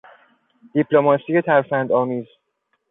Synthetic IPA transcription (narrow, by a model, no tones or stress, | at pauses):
d̪̥ipʰlomɒːsijet̪ʰæɾfænd̪ɒːmiːz